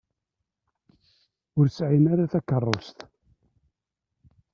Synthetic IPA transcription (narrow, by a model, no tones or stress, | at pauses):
ʊɾsʕinaɾaθækːərˤːost̪